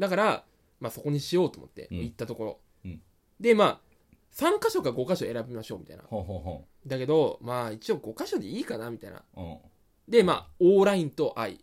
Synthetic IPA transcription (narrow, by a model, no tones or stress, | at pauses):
d̪akaɾa | maːso̞ko̞ɲ̟iɕijo̞ːt̪omo̰t̪ːe̞̰oit̪ːat̪o̞ko̞ɾo̞̰ | d̪e̞maː | sãŋkaɕo̞kaɡo̞kaɕo̞e̞ɾabʲimaɕo̞̰ːmʲi̥t̪a̰ḭna̰ɦɦ | d̪ake̞d̪o̞maːit͡ɕioɡo̞kaɕo̞d̪e̞iːkanamʲit̪aḭna̰ | d̪e̞ma̰ːoːɾaĩnt̪o̞ʔaḭ